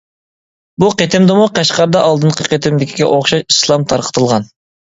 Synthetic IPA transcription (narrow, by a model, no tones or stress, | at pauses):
buqet̪ɪmd̪ɨmuqɑʃqɑɾd̪ɑʔɑlˠd̪ɨnqʰəqet̪ɪmd̪ɪkʲʰi̥ɡʲɛ̰ʔoχʃɑʃislˠɑmt̪ʰɑɾqʰə̥t̪ʰɨlˠʁɑn